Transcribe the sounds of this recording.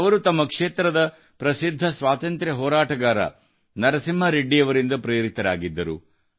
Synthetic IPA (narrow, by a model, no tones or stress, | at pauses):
ɐʋɐɾut̪ɐmːɐkʂeːt̪ɾɐd̪ɐ | pɾɐsid̪ʱːɐsʋaːt̪ɐnt̪ɾjɐɦɔːɾaːʈɐɡaːɾɐ̰ | nɐɾɐsimːɐɾeɖːijɐʋɐɾind̪ɐpɾeːɾit̪ɐɾaːɡid̪ːɐɾṵ